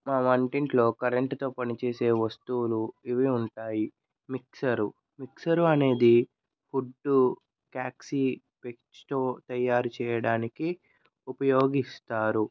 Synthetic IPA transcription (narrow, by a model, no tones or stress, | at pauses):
maːmɐɳʈiɳʈlo̞ːkɐɾeɳʈt̪o̞ːpɐnit͡ʃe̞ːse̞ːʋɐst̪uːluiʋiuɳʈaːji | miksɐɾu | miksɐɾuɐne̞ːd̪i | fuɖːu | kaːksi | pek̚t͡ʃt̪o̞ːt̪ɐjːaːɾut͡ʃɛːjɐɽaːniki | upɐjo̞ːɡist̪aːɾu